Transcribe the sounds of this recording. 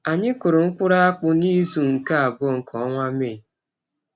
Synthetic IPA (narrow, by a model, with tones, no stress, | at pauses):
a˨ɲɪ˦kʊ˨ɾʊ˨ŋ̩˦kʷʊ˦ɾa˦a˦k͡pʊ˦ni˦zu˨ŋ̩˨ka˦a˨bɔ˦˨ŋ̩˨kʰɔ˨ɔ˦ŋʷa˦me˦˨